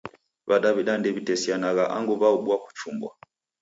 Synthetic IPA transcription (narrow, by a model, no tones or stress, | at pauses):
βaɗaβiɗandɛβitɛsianaɣaʔa̰ŋɡuβauɓwaku̥t͡ʃumbwa